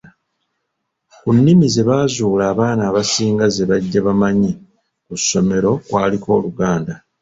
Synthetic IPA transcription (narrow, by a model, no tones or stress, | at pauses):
kunːimize̞βaːzuːlaːβaːnaːβasiːŋɡaze̞βaɟːaβamaɲi | kusːo̞me̞ɾo̞kwaːliko̞ːluɡaːnda